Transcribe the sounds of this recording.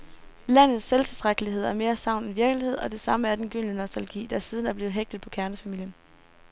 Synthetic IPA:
læn̰ð̞̩ˠsːelt͡sʰe̝l̥t͡sʁaɡ̥əliɦe̝ð̞̰ˠæɐme̝ːɐsɑ̈ʊ̰nenʋiɐɡ̥əlihe̝ð̞̰ˠɒ̽d̥e̝sɑ̈məæɐd̥enɡ̥yn̰ənɒsd̥ælɡ̥ḭːd̥ɑ̈æɐsiːð̞ˠən̩æɐb̥le̝ːð̩ɦeɡ̥̚d̥ð̩ˠpʰɒ̽kʰæɐnəfæmil̰jən

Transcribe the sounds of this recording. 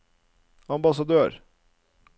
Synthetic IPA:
ɑmbɑsɑd̪øːɾ

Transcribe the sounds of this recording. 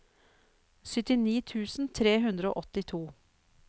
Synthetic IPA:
sʏt̪ɪniːt̪ʰʉːsn̩t̪ʰɾeːɦʉnd̪ɾəo̰ːʔɔt̪ɪt̪ʰuː

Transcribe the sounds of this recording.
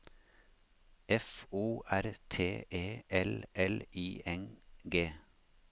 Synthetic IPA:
ɛfuːʔæɾt̪ʰeːeːʔɛlʔɛliːʔɛnɡeː

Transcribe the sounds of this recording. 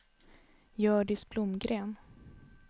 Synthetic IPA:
jœːɖɪsblʊmɡɾeːn

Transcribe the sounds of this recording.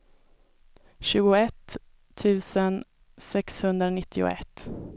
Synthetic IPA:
ɕʉ̟ːɡʊɛt̪ʰː | ʉ̟ːsən | sɛkshɵnd̪ɾanɪt̪ʰːɪʊ̰ɛ̰t̪ː

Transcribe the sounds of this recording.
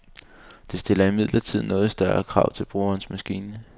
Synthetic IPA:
d̥e̝sd̥e̝lɐimið̰ˠlʔɐt͡sʰið̰ˠnɔ̽ːð̞̩ˠsd̥ɶɐɐkʰʁɑ̈ʊ̰t͡sʰe̝lb̥ʁuːɐːnsmæsɡ̥ḭːnə

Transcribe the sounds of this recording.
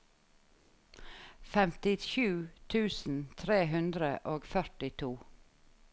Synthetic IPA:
fɛmt̪ɪʃʉːt̪ʰʉːsn̩t̪ʰɾeːɦʉnd̪ɾəʔoːɡfœʈɪt̪ʰuː

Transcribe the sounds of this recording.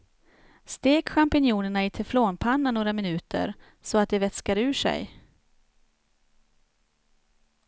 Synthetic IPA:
st̪eːkɧampɪnjuːnəɳaɪt̪ʰɛfloːnpʰanːanoːɾamɪnʉ̟ːt̪ʰə̰ɾ | sɔat̪̚d̪ɛvɛt̪skaɾʉ̟ːʂɛ̰j

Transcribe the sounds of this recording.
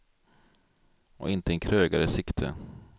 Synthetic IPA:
ɔ̰ʔɪnt̪əɛnkʰɾøːɡaɾəsɪkt̪ʰə̰

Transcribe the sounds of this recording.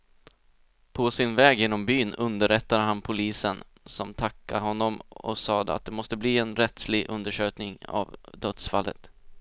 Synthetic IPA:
pʰɔsɪnvɛːɡjɪnːɔmbyːnɵnd̪əɾɛt̪ːad̪əɦanpʰʊliːsən | sɔmt̪ʰakːaɦɔnːɔmɔ̰sɑːd̪əa̰t̪̚d̪ɛmɔst̪əbliːɛnɾɛt̪slɪɡʔɵ̰nd̪əʂøːknɪŋa̰vd̪œt̪sfalːə̰t̪

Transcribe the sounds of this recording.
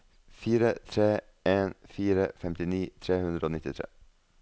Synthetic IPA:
fiːɾət̪ʰɾeː | eːnfiːɾəfɛmt̪ɪniːt̪ʰɾeːhʉnd̪ɾəoːnɪt̪ɪt̪ʰɾḛː

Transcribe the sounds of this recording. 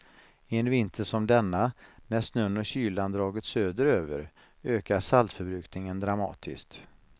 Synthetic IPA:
ɪɛnvɪnt̪ʰəʂɔmd̪ɛnːanæʂnœnːɔɕyːland̪ɾɑːɡət̪søːd̪əɾøːvə̰ɾ | øːkaʂalt̪fœɾbɾʉ̟ːknɪŋənd̪ɾamɑ̰ːt̪ʰɪ̰skt̪

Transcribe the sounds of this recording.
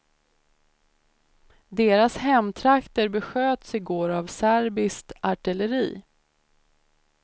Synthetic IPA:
d̪eːɾashɛmːt̪ʰɾakt̪əɾbɛɧøːt̪sɪɡoːɾavsæɾbɪst̪aʈɪləɾiː

